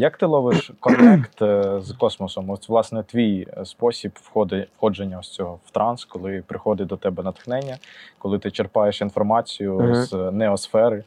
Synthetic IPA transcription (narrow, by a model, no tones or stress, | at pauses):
jɐk̚t̪ɪlˠɔʋɪʃkɔnt̪ɛkt̪zkɔsmɔsɔmɔsʲʋlˠɑsnɛt̪ʋʲijspɔsʲipwxɔd̪xɔd͡ʒenʲːɐɔsʲt͡sʲɔɦɔwt̪ɾɑnskɔlˠɪpɾɪxɔd̪ɪd̪ɔt̪ɛbɛnɐt̪xnɛnʲːɐkɔlˠɪt̪ɪt͡ʃerpɑjeʃinfɔrmɑt͡sʲijʊznɛɔsfɛɾɪ